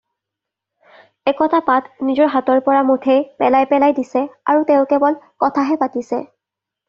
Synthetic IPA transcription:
ɛkɔtʰapatnizɔɹɦatɔɹpɔɹamotʰejpɛlajpɛlajdisɛaɹuteʊ̃kɛbɔlkɔtʰaɦɛpatisɛ̰

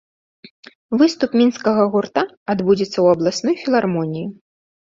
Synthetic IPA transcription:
vɨst̪upmʲinskɐɣɐɣurt̪aːd̪bud͡zʲɛt̪sːɐwɐblˠasnujfʲilˠarmɔnʲiji

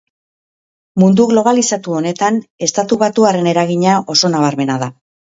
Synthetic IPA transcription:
mund̪uɣlo̞βalisat̪uo̞ne̞t̪ane̞st̪at̪uβat̪uaɾe̞ne̞ɾaɣiɲaʔo̞so̞naβaɾme̞naða

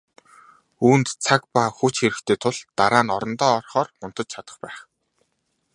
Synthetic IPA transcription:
uːnt̪t͡sʰakpaxut͡ɕxeɾɘ̆kt̪ʰeːt̪ʰʊɮt̪aɾaːnɔɾɞ̆nt̪ɔːrχɔːrmʊnt̪ə̆t͡ɕt͡ɕʰat̪ə̆χpæːχ

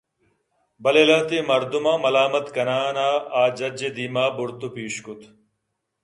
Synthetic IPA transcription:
bɐlelɐt̪imɐɾd̪umaːmɐlaːmɐt̪kɐnaːnaːaːd͡ʑɐd͡ʑed̪iːmaːbuɾt̪upiːɕkut̪ʰ

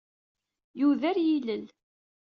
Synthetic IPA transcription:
juðæɾjiləl

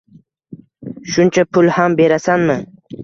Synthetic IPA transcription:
ʃʊnt͡ʃʰapʰʊlˠhambe̞ɾasanmɪ

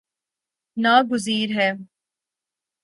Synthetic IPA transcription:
naːɡʊziːɾɦɛː

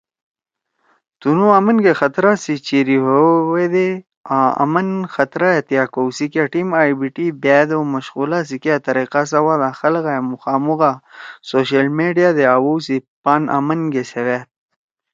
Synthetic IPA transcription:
t̪unuamənɡexat̪ɾasit͡ʃiɾiɦowed̪e | aa̰mənxat̪ɾajet̪jakowsikaʈimajbiʈibed̪oməʃɣulas̬ikat̪ɐɾiqas̬awad̪axalɣaemʊxaːmuɣasoʃalmeɖijad̪eawowsipanʔa̰mənɡesewet̪̚

